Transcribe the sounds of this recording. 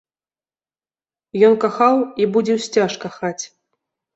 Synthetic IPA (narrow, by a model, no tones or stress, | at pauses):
jɔnkaxawibud͡zʲɛwsʲt͡sʲaʂkaxat͡sʲ